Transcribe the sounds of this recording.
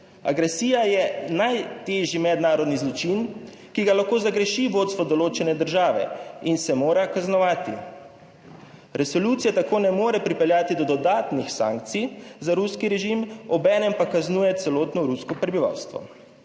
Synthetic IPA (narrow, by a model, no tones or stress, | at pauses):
a̰ɡɾɛsiːjajɛnajt̪eːʒjimɛd̪naːɾɔd̪nizlɔt͡ʃin | kiɡalaxkoːzaɡɾɛʃiʋoːt̪st̪ʋɔd̪ɔloːt͡ʃɛnɛd̪əɾʒaːʋɛ̰insɛmoːɾakaznɔʋaːt̪ḭ | ɾɛsɔluːt̪sijat̪akoːnɛmoːɾɛpɾipɛljaːt̪id̪ɔd̪ɔd̪aːt̪nixsã̰ːŋk̚t̪sijzaɾuskiɾɛʒimɔbɛːnɛmpakaznuːjɛt̪sɛloːt̪nɔɾuskɔpɾɛbiʋa̰wst̪ʋɔ̰